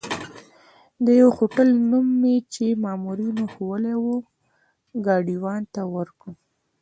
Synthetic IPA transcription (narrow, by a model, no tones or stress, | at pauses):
d̪əjawxoʈəlnumːet͡ʃemɑmuɾinoxowəlewo | ɡɑɖiwɑnt̪awəɾkɽu